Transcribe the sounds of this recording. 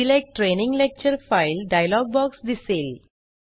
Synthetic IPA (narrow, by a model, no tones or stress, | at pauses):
ilek̚ʈːɾenĩŋɡlek̚t͡ɕəɾfajlɖajlɔɡ̚bɔksd̪isel